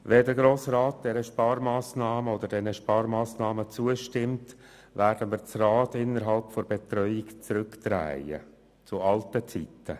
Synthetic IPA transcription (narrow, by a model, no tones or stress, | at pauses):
vɛdəɡɾoːsraːt̚d̥ɛɾəʃpɑːɾmaːsnɑːməod̪əɾdɛnəʃpɑːɾmaːsnɑːmət͡suəʃtɪmt | væːɾd̥əmiːɾt͡srɑːtɪnːəɾɦɑlpfɔɾbɛtɾœʏɪkt͡sɾʏktɾæ̰ɪjə̰ | t͡sʊʔɑltət͡sitʰə